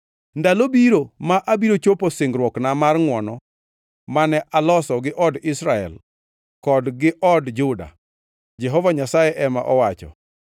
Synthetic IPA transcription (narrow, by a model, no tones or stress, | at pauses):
ndalobiɾomaʔabiɾot͡ʃoposɪŋɡɾwɔknamarŋwɔnɔ | manɛʔalɔsɔɡɪʔɔdɪsɾaɛ̰l | kɔdɡɪʔɔdd͡ʒʊda̰ | d͡ʒɛɦɔvaɲasajɛʔɛmaʔɔwat͡ʃɔ̰